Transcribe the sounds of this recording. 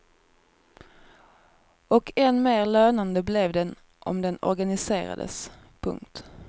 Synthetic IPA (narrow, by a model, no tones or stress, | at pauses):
ɔkʰɛnmeːɾløːnand̪əblɛvd̪ɛn | ʔɔ̰md̪ɛnɔ̰ɾɡanɪseːɾa̰d̪ə̰s | pʰɵ̰ŋkt̪